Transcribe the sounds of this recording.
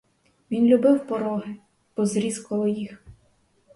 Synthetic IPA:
ʋʲinlʲubɪwpɔɾɔɦɪ | b̥ɔzɾʲizkɔlˠɔjix

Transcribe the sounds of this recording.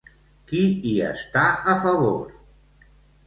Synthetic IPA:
kiiə̰st̪aʔəfəβoɾ

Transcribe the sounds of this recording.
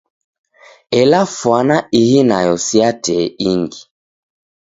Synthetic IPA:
ɛlafwanaihinajɔsjatɛiŋɡi

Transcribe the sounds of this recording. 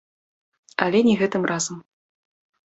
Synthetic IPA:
ɐlʲɛnʲɛɣɛt̪ɨmrazɐm

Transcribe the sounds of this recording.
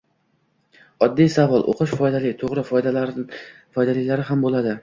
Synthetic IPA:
ɒd̪ːijsavɒlˠʔo̰qʰʊʃfɒjd̪alɪt̪ʰoʁɾɪf | fɒjd̪alɪkʲlaɾɪɦambolad̪ɪ

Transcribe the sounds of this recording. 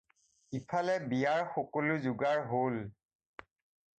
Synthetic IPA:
ipʰalɛbijaɹxokolʊzuɡaɹɦol

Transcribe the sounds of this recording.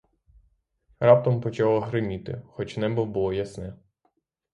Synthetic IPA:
ɾɑp̚t̪ɐmpɔt͡ʃɑlˠɐɦɾɪmʲit̪ɪ̰xɔt͡ʃʲnɛbʊwbʊlˠɔjɐsnɛ

